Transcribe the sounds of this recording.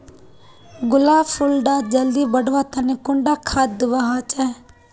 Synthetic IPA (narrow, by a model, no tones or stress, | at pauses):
ɡʊlaːpʰʊlɖaːd͡ʒəld̪iːbəɽʋaːt̪ʰaːneːkʊɳɖaːkʰat̪̚d̪ɪʋaɦaːt͡ʃɛ